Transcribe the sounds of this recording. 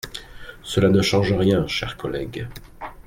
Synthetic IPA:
səlanəʃɑ̃ʒəʁjɛ̃ʃɛ̰ʁkɔlɛ̰ɡ

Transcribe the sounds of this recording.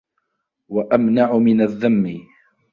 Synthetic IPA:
waʔamnaʕʊmɪnaðːamːɪ

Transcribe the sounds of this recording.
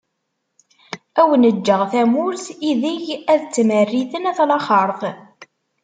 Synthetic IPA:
æwənəd͡ʒːəʁθæmʊɾθiðiʝæðt͡sːmərːiθənæθlɑχəɾˤθˤ

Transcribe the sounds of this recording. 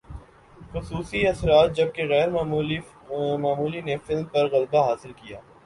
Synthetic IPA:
xʊsuːsiɐsɾaːt̪̚d͡ʒɐb̚keɣɛːɾmː | maːmuːlinefɪlmpɐɾɣɐlbaɦaːsɪlkijaː

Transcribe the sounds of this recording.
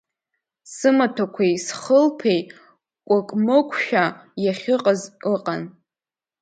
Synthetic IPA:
sɨmatʰakʷʰejsχəlpʰej | kʷʼakʼmɨkʷʼʰʃᶣajaχʲɪqʼazɨqʼan

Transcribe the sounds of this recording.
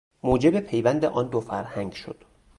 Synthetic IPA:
moːd͡ʒe̞bepʰe̞jvænd̪eʔɒːnd̪ofæɾhæŋɡʃo̰d̪̥

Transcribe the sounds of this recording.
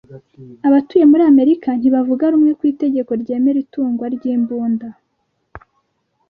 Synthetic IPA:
aβatuje̞muɾiame̞ɾikan̥hiβavuɡaɾumŋe̞kwiːte̞ɟe̞ko̞ɾɟe̞ːme̞ɾituːŋɡwaɾɟiːmbuːnda

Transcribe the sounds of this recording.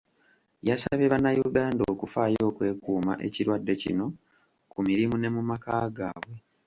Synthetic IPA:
jasaβjeβanːajuɡaːndoːkufaːjo̞ːkwe̞ːkuːma̰ʔe̞̰ciɾwadːe̞cḭno̞ | kumiɾimune̞mumakaːɡaːβwe

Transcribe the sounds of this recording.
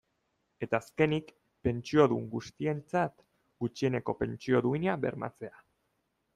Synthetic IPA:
e̞t̪aːske̞nik | pe̞nt͡ʃio̞ðuŋɡust̪ie̞nt͡sat̪ | ɡut͡ʃie̞ne̞ko̞pe̞nt͡ʃio̞ðuinaβe̞ɾma̰t͡se̞a

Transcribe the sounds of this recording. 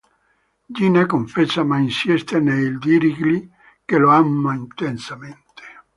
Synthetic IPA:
d͡ʒinekoɱfɛt͡ʃːamainsjɛst̪eneld̪iɾiɡli | keloamːaint̪ensament̪e̥

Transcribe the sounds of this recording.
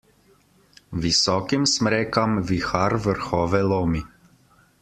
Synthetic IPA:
ʋisɔːkimsmɾɛːkamʋixaɾʋəɾxɔːʋɛloːmi

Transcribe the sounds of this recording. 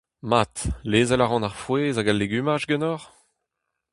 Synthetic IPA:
mat̪leːzɛlaʁɑ̃naʁfweːzaɡalːeɡymaʒɡɛnɔʁ

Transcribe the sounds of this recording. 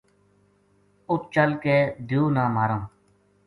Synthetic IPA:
ʊt̪̚t͡ʃəlkeːd̪ʱjuːnãːmaːɾə̃ː

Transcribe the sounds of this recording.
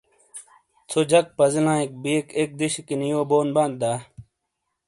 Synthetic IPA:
t͡sʰod͡ʑɐk̚pɐzilãːek̚biːkek̚d̪iɕikinijoːboːnbãːnd̪̚d̪aː

